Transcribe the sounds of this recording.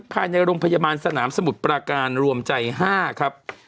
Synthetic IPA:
t̪̚pʰaː˧jna˧jɾoː˧ŋpʰa˧jaː˧baː˧nsa˧naː˩˦msa˧mu˨˩t̪̚pɾaː˧kaː˧nɾu˧əmt͡ɕa˧jɦaː˥˩kʰa˦˥p̚

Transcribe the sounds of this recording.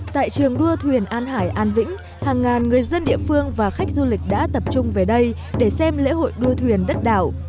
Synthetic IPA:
t̪a̰ː˧˨jt͡ɕɨ˨˩əŋɗu˧ət̪ʰwi˨˩ənʔaː˧nɦaː˧˩jʔaː˧nvḭ̈˧˥ŋ̟ | haː˨˩ŋːaː˨˩nŋɨ˨˩əjzə˧nɗḭ˧˨əfɨ˧əŋvaː˨˩xa˦˥jk̟̚zu˧lï˨˩k̟̚ɗa̰ː˧˥t̪ə˨˩p̚t͡ɕʊ˧ŋ͡mve˨˩ɗə˧j | ɗe˧˩sɛ˧mlḛ˧˥ɦo̰˧˨jɗu˧ət̪ʰwi˨˩ənɗə˦˥t̚ɗa̰ː˧˨w

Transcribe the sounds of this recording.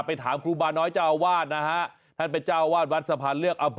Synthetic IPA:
pa˧jt̪ʰa̰ː˩˦mkʰɾuː˧˩baː˧nːɔː˦˥jt͡ɕaː˥˩ʔa˧waː˥˩t̪̚na˦˥kʰa˦˥ʔ | t̪ʰa˥˩npe˧nt͡ɕaː˥˩wʔa˧waː˥˩t̪̚wa˦˥t̪̚sa˧pʰaː˧nlɯ˥˩ək̚ʔa˧mpʰ

